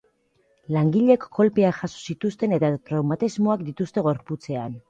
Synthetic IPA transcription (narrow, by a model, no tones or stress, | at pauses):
laŋɡiʎe̞kːo̞lpeaʝaso̥sit̪ust̪e̞ne̞t̪at̪ɾawmat̪izmoakd̪it̪ust̪e̞ɣo̞ɾput͡se̞an